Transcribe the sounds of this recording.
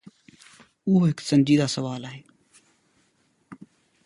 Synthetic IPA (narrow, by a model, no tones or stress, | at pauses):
ʊɦoːɦɪksənd͡ʒiːd̪aːsəʋaːlaːɦeː